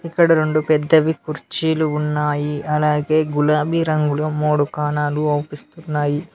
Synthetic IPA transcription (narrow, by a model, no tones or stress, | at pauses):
ikːɐɽɐɾeɳɖupɛd̪ːɐʋikuɾt͡ʃiːluːnːaːjiɐlaːɡe̞ːɡulaːbiɾɐŋɡuloːmoːɽukaːnaːluoːpist̪unːaːji